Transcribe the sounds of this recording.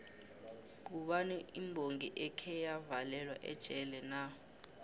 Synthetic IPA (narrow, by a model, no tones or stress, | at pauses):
k̬uɓanɛʔimbʱoŋɡʱiʔɛkʰɛjavalɛlwa̰ʔɛ̰d̥ʒ̥ʱʼɛlɛna